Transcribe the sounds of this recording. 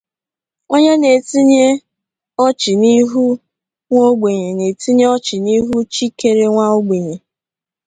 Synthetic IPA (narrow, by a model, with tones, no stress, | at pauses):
ŋo˦ɲe˦ne˨ti˦ɲe˦ | ɔ˦t͡ʃɪ˨ni˦ɦu˦ | ŋʷo˦ɡ͡be˨ɲe˨ne˨ti˦ɲe˦ɔ˦t͡ʃɪ˨ni˦ɦu˦t͡ʃi˦ke˨ɾe˦ŋʷa˦o˦ɡ͡be˨ɲe˨